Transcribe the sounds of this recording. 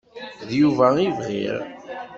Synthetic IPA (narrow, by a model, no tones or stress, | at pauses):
ðjuvæivʁḭʁ